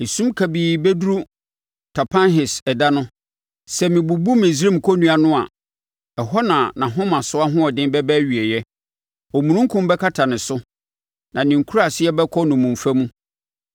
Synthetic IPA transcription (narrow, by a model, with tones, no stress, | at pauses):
e˨sũ˦mkʰa˨biː˨bɛ˦du˦ɾu˦ | tʰa˨pʰã˦nɦɪ˨sɛ˨da˦nʊ̃˦ | sɛ˨mɪ̃˨bu˨bu˦mɪ̃˨sɾĩ˦m̩˨kʰɔ˦nũ˦a˨nʊ̃˦a̰˨ | ɛ˨ɦɔ˦nã˨nã˨ɦʊ̃˦mã˨sʊ˦a˦ɦʊ̃˦ɔ˨dɪ̃˦bɛ˦bɛ˦ɥi˨ɛ˨jɛ˦ | ɔ˨mũ˨nũ˦ŋ˦kʰʊ̃˦mbɛ˦kʰa˦tʰa˨nɪ̃˨sʊ˦ | nã˨nɪ̃˨ŋ̩˨kʰu˦ɾa˨sɪ˦ɛ˦bɛ˦kʰɔ˦nʊ̃˨mũ˨ɱ˨fa˦mũ˦